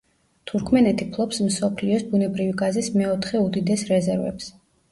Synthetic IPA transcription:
t̪ʰuɾkʰmɛnɛt̪ʰipʰlˠɔpsmsɔpʰliɔsbunɛbɾiviɡazismɛɔt̪ʰχɛud̪id̪ɛsɾɛzɛɾvɛ̰ps

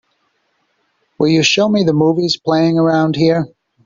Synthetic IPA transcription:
wɪlˠjɨʃoʊmiðəmuviz̥pʰl̥eɪɪ̃ŋə˞ãʊ̃nd̚hiɹ

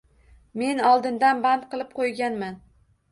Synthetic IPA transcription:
me̞nɒlˠd̪ɪnd̪anbant̪̚qɨlˠɪp̚qʰojɡʲanman

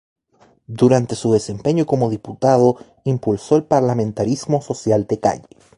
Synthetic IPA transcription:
d̪uɾant̪e̞suðe̞sempe̞ɲokomoðiput̪að̞o | impulsoelpaɾlamẽnt̪aɾizmoso̞sjald̪eka̰ʎe̥

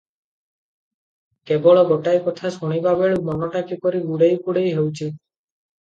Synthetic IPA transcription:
kebɔɭɔɡoʈajkɔt̪ʰasoɽ̃ibʱabeɭumɔnɔʈakipɔɾiɡuɽejkuɽejɦewt͡ʃʰi

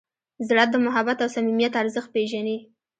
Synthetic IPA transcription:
zɽat̪̚d̪əmʊɦabat̪awsamimijat̪aɾzəxt̪̚peʒane

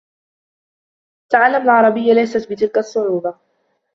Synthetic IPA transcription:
t̪aʕalːamalʕɑɾˤɑbɪjːalajsat̪bɪt̪ɪlkasˤːʊʕuːba

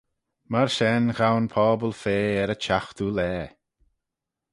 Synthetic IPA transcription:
maɹʃɛnɣawnpʰɔːbəlfeːɛɾət͡ʃʰaxt̪ulɛː

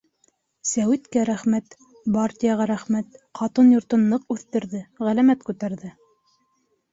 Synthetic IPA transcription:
sæwɘt̪kæɾæχmæt̪ | bartʲijɑʁɑɾæχmæt̪qʰɑt̪ɤnjŏɾt̪ɤ̆nːɤqʉθt̪ɘ̆ɾðɘʁælæmæt̪kʉt̪æɾðɘ

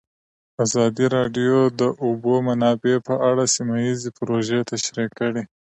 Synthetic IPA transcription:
azɑd̪iɾɑɖijod̪əʔubomanɑbepəʔaɽasimajizepɾoʒet̪aʃɾikːəɽi

